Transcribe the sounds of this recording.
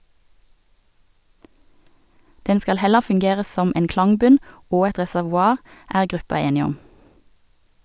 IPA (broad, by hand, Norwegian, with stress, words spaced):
ˈdɛn ˈskɑl ˈhɛlə fʉŋˈɡeːʁə ˈsɔm ˈeːn ˈklɑŋˌbʉn ˈoː ˈɛt ʁɛsæʋʊˈɑːʁ ˈæːʁ ˈɡʁʉpɑ ˈeːnɪ ˈɔm